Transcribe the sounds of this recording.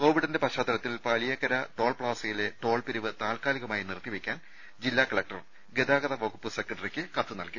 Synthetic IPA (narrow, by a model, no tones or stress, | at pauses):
ko̞ːʋiɽɐnde̞pɐɕaːd̪ɐɾɐt̪ːilpɐɭijɐkɐɾɐʈo̞ːɭpɭaːsɐjile̞ʈo̞ːɭpiɾiʋɨt̪aːlkaːliɣɐmaːjinirt̪ːiʋikʲːaːn | d͡ʑilːaːkɐɭɐk̚ʈɐr | ɡed̪aːɣɐðɐʋɐɣupːɨsekːɐɳɖɐrikʲːɨkɐt̪ːɨnɐlki